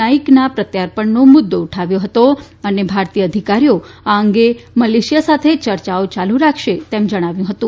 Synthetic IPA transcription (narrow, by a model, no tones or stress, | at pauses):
aiknapɾət̪jaɾpəɳnõmʊd̪ːouʈʰaʋjoɦət̪o | ənebʱaɾt̪ijəəd̪ʱikaɾijoaəŋɡeməleʃijasat̪ʰet͡ʃəɾt͡ʃaot͡ʃaluɾakʰʃet̪emd͡ʒəɽ̃aʋjũɦət̪ũ